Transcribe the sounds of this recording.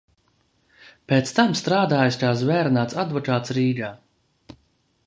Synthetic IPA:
peːt̪st̪amst̪ɾaːd̪aːjuskaːs̬vɛːɾnaːt̪sad̪vɔkaːt̪sɾiːɡaː

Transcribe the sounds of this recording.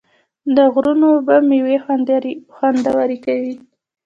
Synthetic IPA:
d̪əɣɾunobamiwexanxwand̪awaɾikawi

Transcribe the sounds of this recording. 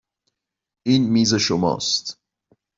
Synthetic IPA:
ʔiːnmiːze̞ʃomɒ̰ːst̪

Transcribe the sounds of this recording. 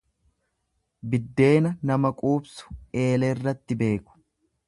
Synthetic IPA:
bɪd̪ːe̞ːnɐnɐmɐkʼuːbsʊ̥e̞ːlɛɪrːɐt̪ːɪbe̞ːkʊ̥

